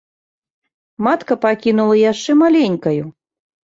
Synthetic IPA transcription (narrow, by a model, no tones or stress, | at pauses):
mat̪kɐpakʲinulˠɐjaʂt͡ʂɛmalʲenʲkɐju